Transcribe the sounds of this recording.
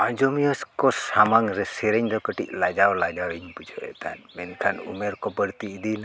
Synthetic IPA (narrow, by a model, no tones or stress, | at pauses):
ad͡ʒomiəskosamaŋɾɛsiɾɛɲd̪okəʈḭʔlad͡ʒawlad͡ʒawiɲpud͡ʒoḛt̪a̰nmɛnkʰanṵmɛɾkobəɾt̪iːd̪ina